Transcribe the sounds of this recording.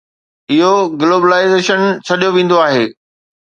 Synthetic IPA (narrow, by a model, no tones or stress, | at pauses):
ɪɦoɡloːbəlaːɪzeːʃənt͡ɕʰɐɗijoʋẽːn̆d̪oaːɦeː